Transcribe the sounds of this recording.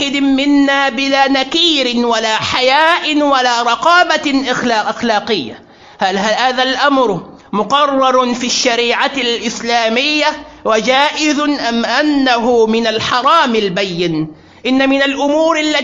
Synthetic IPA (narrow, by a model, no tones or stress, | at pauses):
ɪd̪ɪmɪnːaːbɪlaːnakiːɾɪwalaːħajaːʔwalaːɾˤɑqɑːbaʔɪxlːʔaxlaːqɪjːa̰ | halhahaːðalʔamɾ | mʊqɑrˤːɑɾˤfiʃːaɾiːʕalʔɪslaːmɪjːawad͡ʒaːʔɪðʊnʔamʔanːaɦʊmɪnalħɑɾˤɑːmɪlbajːɪn | ʔɪnːamɪnalʔʊmuːɾʔalːa